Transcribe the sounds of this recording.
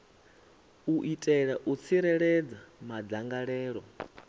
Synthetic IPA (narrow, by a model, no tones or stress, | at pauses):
uʔitʼɛɺaʔut͡sʰiɾɛɺɛd͡zamad͡zaŋɡaɺɛːɺɔ